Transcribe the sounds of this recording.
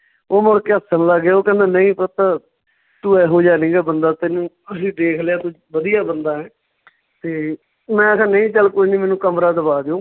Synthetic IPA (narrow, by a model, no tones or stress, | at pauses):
oːmoɽkeːəsənləɡaːoːkɛ̃ːnd̪aːnəĩːpəɾt̪aː | t̪uːɛːɦoːd͡ʒaːnĩːɡaːbənd̪aːt̪ɪːnũː | əsĩːd̪eːkʰleaːt̪uː | ʋəd̪ijaːbənd̪aːɦɛː | t̪eː | mɛ̃ːsɛ̃ːnəĩːt͡ʃəlkoːinĩːmɛːnũːkəmɾaːd̪əbaːd̪eõː